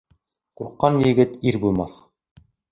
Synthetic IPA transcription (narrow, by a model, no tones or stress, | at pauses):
quɾqːɑnjɘ̆ɡɘt̪iɾbulˠmɑθ